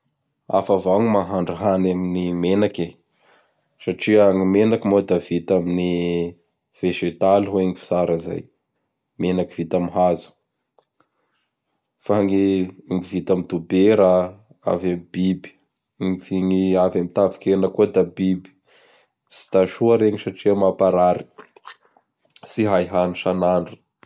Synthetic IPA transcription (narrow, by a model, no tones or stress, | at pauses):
a̰favaŋimaɦaɳɖ͡ʐuɦanaminimenake | saʈ͡ʂiaŋimenakimod̪avit̪amini | v̥eʒet̪aliɦweŋifi̥saɾaza̰j | menaki̥vit̪amiɦazu̥ | faŋeiŋivit̪amid̪ubeɾa | a̰vamibibi̥ | ŋifiŋiavamit̪avi̥kenakod̪abibi̥ | si̥t̪aʃuaɾeŋisaʈ͡ʂiamapaɾaɾi̥ | siɦajɦanuʃanaɳɖ͡ʐu̥